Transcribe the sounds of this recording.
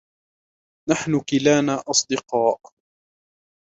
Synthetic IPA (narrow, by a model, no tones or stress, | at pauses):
naħnʊkɪlaːnaːʔɑsˤd̪ɨqɑːʔ